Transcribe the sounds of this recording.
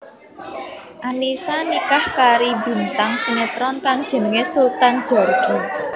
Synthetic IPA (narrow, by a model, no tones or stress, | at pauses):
ʔanisanikahkaɾibi̤nt̪aŋsinet̪ɾɔnkaŋd̥ʒ̥ə̤nəŋesult̪and̥ʒ̥ɔrɡ̥i